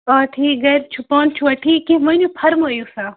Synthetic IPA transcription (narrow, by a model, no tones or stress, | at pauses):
ɔːʈʰiːk̚ɡɐɾt͡ʃʰupaːnt͡ʃʰuɐʈʰiːkːẽʋɐnupʰɐɾmoːjusaː